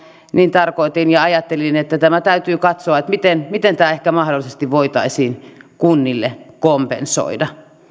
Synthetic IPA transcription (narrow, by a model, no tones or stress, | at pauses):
niːnt̪ɑrkoit̪injɑɑjɑt̪ːelinet̪ːæt̪æmæt̪æyt̪yːkɑt̪soɑet̪mit̪enmit̪ent̪æːehkæmɑhdolisest̪iʋʋoit̪ɑisiːnkunːilːekompḛnso̰idɑ